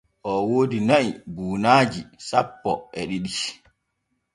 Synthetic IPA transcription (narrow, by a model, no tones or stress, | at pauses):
ʔɔwoːdinaibuːnaːd͡ʒisapːɔʔɛɗiɗi